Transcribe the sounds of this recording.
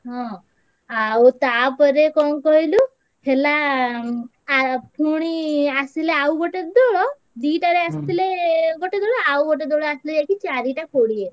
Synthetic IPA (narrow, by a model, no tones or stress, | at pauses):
ɦɔ̃ | aut̪apəɾekɔnkɔjlu | hela | pʰuɽ̃iasileawɡoʈed̪oɭɔ | d̪iːʈaɾeast̪ileɡoʈed̪oɭɔawɡoʈed̪ɔɭɔasled͡ʒakit͡ɕaɾiʈakoɽie